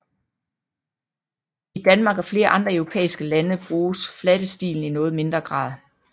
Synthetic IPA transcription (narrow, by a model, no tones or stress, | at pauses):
id̥ænmɑ̈ːɡ̥æfle̝ːɐʔɑ̈nd̥ʁɐœʊʁo̝pʰḛːisɡ̥əlænəb̥ʁuːsflæd̥əsd̥ḭːln̩inɔ̽ːð̩ˠme̝nd̥ʁɐɡ̥ʁɑ̰̈ːðˠ